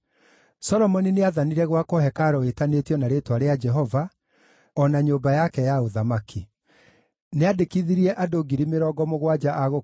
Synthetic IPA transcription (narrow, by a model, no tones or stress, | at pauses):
sɔɾɔmɔnineaðaniɾɛɣwakɔhɛkaɾɔetanetjɔnaɾetwaɾead͡ʒɛɦɔva | ɔnaɲoːbajakɛjaoðamakʰi | neadekiðiɾiɛʔadoɡiɾimeɾɔːɡɔmoɣwad͡ʒaʔaɣo